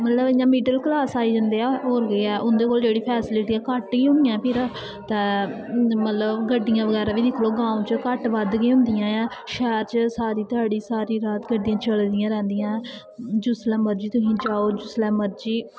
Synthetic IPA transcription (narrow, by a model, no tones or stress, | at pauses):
mət̪ləbɪjãːmiːɖəlklaːsaːiːd͡ʒə̃nd̪eːaɦoːɾɡiɛːʔʊnd̪eːkoːld͡ʒeːɽiːpʰɛːsɪlɪʈiːɛːkəʈiːɦʊ̃nd̪ijãːpʰɪːɾãː | t̪ɛ̃ː | mət̪ləbɡəɖːɪjãːʋəɡɛːɾaːʋiːd̪ɪkʰloːɡãːũt͡ʃkəʈʋəd̪ɡːɦʊ̃nd̪ɪjãːɛ̃ːʃɛːɾt͡ʃsaːɾiːt̪ʊaːɽiːsaːɾiːɾaːt̪ɡəɖːɪjãːt͡ʃəld̪ɪjãːɾɛ̃ːnd̪ɪjãː | d͡ʒʊslɛ̃ːməɾd͡ʒiːt̪ʊsĩːd͡ʒaːoːd͡ʒʊslɛ̃ːməɾd͡ʒiː